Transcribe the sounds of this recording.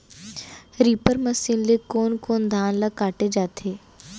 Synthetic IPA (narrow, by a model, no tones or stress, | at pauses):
ɾiːpəɾməsiːnlekoːnkoːnd̪ʱaːnlɐkaːʈed͡ʒaːt̪ʰeː